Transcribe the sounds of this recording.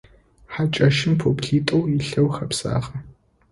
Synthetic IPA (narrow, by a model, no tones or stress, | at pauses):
ħat͡ʃʼɐʃɪmpʰoːpɬiːtʼowiɬɐwxɐpsa̰ːʁɐ